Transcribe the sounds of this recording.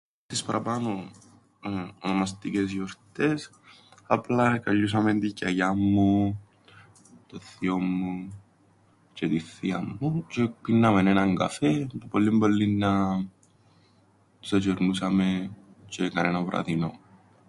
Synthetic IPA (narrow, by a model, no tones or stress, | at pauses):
t̪ispɐɾʔɐpɐno | onomɐs̬t̪icesjoɾt̪es | ɐplɐkɐʎːus̬ɐment̪icɐjamːu | t̪oθio̞mːu | t͡ʃet̪iθiɐmːut͡ʃekinːɐmenenɐŋɡɐ̰fepepolːimbolːinːɐ | sɐt͡ʃeɾnusɐme | t͡ʃekɐnenɐvɾʔɐ̰ðino̞